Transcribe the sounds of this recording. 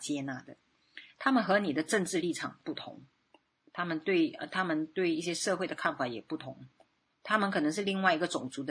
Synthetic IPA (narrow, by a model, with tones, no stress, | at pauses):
t͡ɕjɛ˥na˥˩d̪ə˩ | t̪ʰa˥mə˨nxɤ˧˥ni˨˩d̪ə˦ʈ͡ʂə˥˧nʈ͡ʂɻ̩˥˧li˥˩ʈ͡ʂʰɑ˨˩ŋpu˥˩t̪ʰʊ̰˧˥ŋ | t̪ʰa˥mə˨nt̪we˥˩ɪə̰˧˩t̪ʰa˥mə˨nt̪we˥˩ɪi˥˩ɕjɛ˥ʂɤ˥˧xwe˥˩ɪdə˩kʰa˥˩nfa˧˥jɛ˨˩pu˥˩t̪ʰʊ˧˥ŋ | t̪ʰa˥mə˨nkʰɤ˨˩nɤ˧˥ŋʂɻ̩˥˧li˥˧ŋwa˥˩ɪi˧˥ɡə˨ʈ͡ʂʊ˨˩ŋt͡su˧˥d̪ə˧